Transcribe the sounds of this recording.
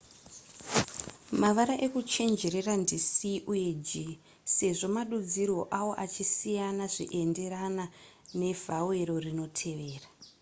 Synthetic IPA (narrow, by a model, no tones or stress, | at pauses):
maʋaɾaʔe̞kut͡ʃe̞nd͡ʒe̞ɾe̞randisiʔuje̞d͡ʒi | se̞ʐo̞maɗud͡zirwo̞ʔawo̞ʔat͡ʃisijanaʐḭʔe̞nde̞ɾanane̞vʱawe̞ɾo̞rino̞tʰe̞ʋe̞ːra